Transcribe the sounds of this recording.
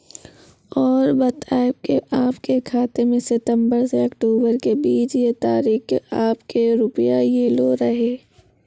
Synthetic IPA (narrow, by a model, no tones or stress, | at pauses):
ɔːɾbɐt̪ʰaːɪb̚keʔaːpkekʰaːt̪emẽsɪt̪ə̃mbəɾseɐkʈoːbəɾkebiːt͡ʃjet̪aːɾiːkaːpkeɾʊpjajeloːɾɐɦeː